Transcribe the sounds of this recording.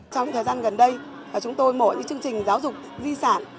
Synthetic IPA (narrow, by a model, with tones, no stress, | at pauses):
t͡ɕɔ˧wɲɨ̰˧˥t̪ʰəː˨˩zaː˧nɣə˨˩nɗə˧j | vaː˨˩t͡ɕʊ˨˦ŋ͡mt̪o˧jmo̰˧˩ɲɨ̰˧˥ŋt͡ɕɨ˧əŋt͡ɕï˨˩ŋ̟zaː˨˦wzʊ˨˩k͡p̚zi˧sa̰ː˧˩˨n